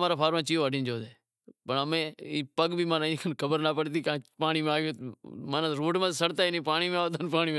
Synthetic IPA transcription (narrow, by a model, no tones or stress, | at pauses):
maːɾaːpʰaːɾmãːt͡ʃiːoːəɖĩːnd͡ʒoːd̪eː | pəɳəmẽːiːpəɡbʱiːmãːnãːĩknkʰəbəɾnaːpəɽt̪iːkãːpaːɳiːmẽaːiomaːnãɾoːʈmãːt̪ːsəɽt̪aːɪnĩːpaːɳiːmẽaːot̪ənpaːniːmẽ